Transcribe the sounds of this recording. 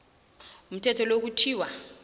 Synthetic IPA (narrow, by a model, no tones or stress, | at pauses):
um̩tʰɛtʰɔlok̬utʰiːwa